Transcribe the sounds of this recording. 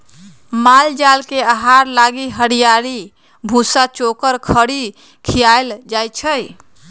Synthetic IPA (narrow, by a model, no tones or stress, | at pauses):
mald͡ʒalkeaɦaɾlaɡiɦəɽijaɾi | bʱũsat͡ʃokəɾkʰəɽi | kʰijaeld͡ʒajt͡ʃʰəj